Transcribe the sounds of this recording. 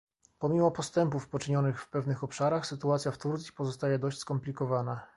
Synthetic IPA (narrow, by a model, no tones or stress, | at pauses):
pɔmʲimɔpɔst̪ɛmpufpɔt͡ʂɘɲɔnɘxfpɛvnɘxɔpʂaɾaxsɘt̪uat̪sʲjaft̪uɾt̪sʲi̥pɔzɔst̪ajɛd̪ɔɕt͡ɕʲskɔmplʲikɔvana